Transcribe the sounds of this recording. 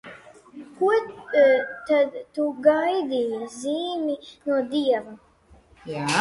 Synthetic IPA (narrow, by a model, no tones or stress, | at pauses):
kuɔ | t̪ad̪t̪uɡajd̪iːjaziːminuɔd̪iɛva